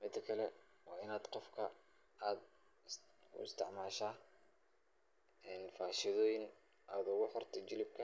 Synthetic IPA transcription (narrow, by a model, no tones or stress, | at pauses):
mɪt̪ʰːɐkʰɐlɛ | wɑːɪnaːd̪qɔfkʰɐ | aːd̪ | ʊ̰ɪst̪ʰɪʕmaːʃaː | ɛːnfaːʃɪðɔːjɪn | aːd̪ʊɣʊħɔrt̪ʰɔt͡ʃɪlɪb̚kʰɐ